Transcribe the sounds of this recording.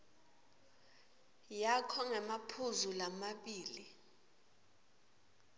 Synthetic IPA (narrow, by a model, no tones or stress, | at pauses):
jakʰɔŋɛmapʰuzulamaɓiːli